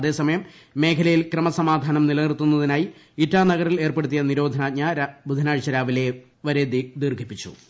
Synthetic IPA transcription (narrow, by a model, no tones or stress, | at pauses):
ɐðe̞ːsɐmɐjɐmː | e̞ːkʰɐlɐjilkrɐmɐsɐmaːd̪ʱaːnɐmnilɐnirt̪ːunːɐðinaːji | itːaːnɐɣɐɾile̞ːrpeɽut̪ːijɐniɾo̞ːd̪ʱɐnaːɲɐɾbʱud̪ʱɐnaːɻit͡ɕːɐɾaːʋile̞ | ʋɐɾe̞d̪id̪iːrɡʱipːit͡ɕːṵ